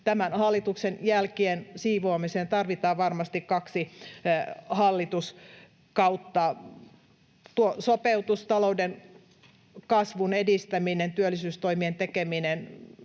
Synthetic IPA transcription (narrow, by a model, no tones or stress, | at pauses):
t̪æmænhɑlːit̪uksenjælkiensiːʋoːmiseːnt̪ɑrʋit̪ɑːʋɑrmɑst̪ikkɑksi | hɑlːit̪us | kɑut̪ːɑ | t̪uosopeut̪ust̪ɑlouden | kɑsʋunedist̪æminent̪yølːˑisyːst̪oimient̪ekeminen